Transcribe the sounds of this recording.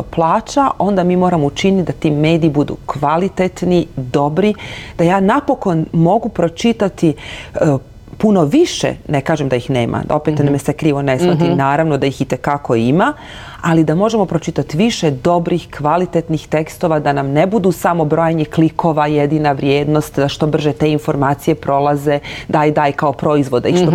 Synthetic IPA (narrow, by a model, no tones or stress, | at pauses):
oplˠaːt͡ɕaʔo̞nd̪amiːmo̞ːɾamout͡ʃinit̪d̪at̪iːme̞ːd̪iːbud̪ṵːkʋalit̪et̪nid̪o̞bɾid̪ajaːnapo̞ko̞nmo̞ɡupɾo̞t͡ʃit̪at̪i | puno̞ʋiʃḛnekaːʒemd̪ajixnḛːmʔa̰o̞pet̪namesekɾiːʋo̞nesmat̪inaːɾaʋnod̪ajixit̪ekako̞ima | alid̪amo̞ʒe̞mo̞pɾo̞t͡ʃit̪at̪iʋiʃed̪o̞bɾixkʋalit̪et̪nixt̪ekst̪o̞ʋad̪anamnebud̪usamo̞bɾo̞jaɲekliko̞ʋajed̪inaʋɾjeːd̪no̞st̪d̪aʃt̪o̞br̩ʒet̪e̞ːinfo̞ɾmaːt̪sije̞pɾo̞lˠaze̞d̪aːjd̪aːjkaopɾo̞izʋo̞d̪aiʃo